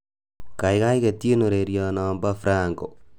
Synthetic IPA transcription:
ka˨ɪka˦ike˨ti˦no˨ɾeɾjɔ˨nɔ˨mbafɾaŋko˨

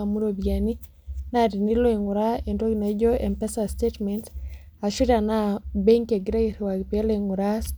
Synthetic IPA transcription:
a˨mu˦ɾo˨bia˨ni˦ | na˦˨di˨ni˦lo˦e˨ŋʊ˨ɾa˦e˨ndo˦ɡi˨na˨˦d͡ʒo˦e˨mpɛ˦sa˨stetmɛ˨nt | a˨ʃu˦da˨na˦be˦ŋke˨ɡɾe˦ɾwa˨ɡpe˦le˦ŋʊ˨ɾa˦s

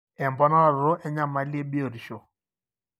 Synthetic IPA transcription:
ɛ˨mbɔ˦na˦˨ɾo˦ʔɛ˦ɲa˦ma˨˦le˦bi˦o˨ɾʃo˨

